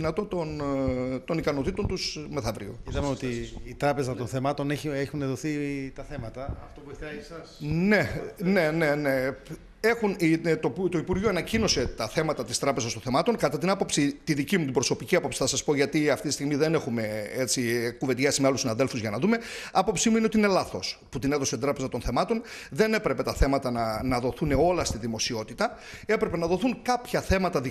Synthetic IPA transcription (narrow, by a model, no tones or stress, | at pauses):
inɐt̪o̞t̪ont̪o̞nikɐno̞t̪it̪o̞nt̪usme̞θɐvɾḭo̞̰it̪ɐmeot̪iːt̪ɾɐpe̞zɐt̪onθemɐt̪o̞neçexuneðoθit̪ɐθe̞mɐt̪ɐɐft̪opueɐsɐsne̞ne̞ne̞ne̞ | e̞xunit̪ot̪oipuɾʝioɐnɐcino̞se̞t̪ɐθe̞mɐt̪ɐt̪ist̪ɾɐpezɐst̪o̞nθe̞mɐt̪o̞nkɐt̪ɐt̪inɐpo̞psit̪iðicimut̪ibɾo̞so̞piciɐpo̞psi̥θɐsɐspo̞ʝɐt̪iɐft̪it̪ist̪iɣmiðe̞ne̞xume̞et͡sikuve̞t̪ʝɐsizmeɐlusinɐðelfuzʝɐnɐðume̞ɐpo̞psimuineot̪ine̞lɐθo̞sput̪ineðo̞set̪id̪ɾɐpezɐt̪o̞nθe̞mɐt̪o̞n | ðe̞ne̞pɾe̞pe̞t̪ɐθe̞mɐt̪ɐnɐnɐðo̞θuneo̞lɐst̪iðimo̞sio̞t̪it̪ɐ | e̞pɾe̞pe̞nɐðo̞θuŋkɐpçɐθe̞mɐt̪ɐði